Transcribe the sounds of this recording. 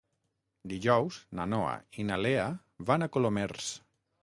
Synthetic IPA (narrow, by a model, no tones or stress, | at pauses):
d̪iʒɔwznanoa̰inalea | βanakolomers